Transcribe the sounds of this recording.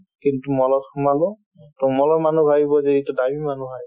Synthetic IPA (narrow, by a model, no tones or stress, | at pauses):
kintumɔlɔmalu | tɔmɔlɔmanubʱabibɔzeitudabimanubʱa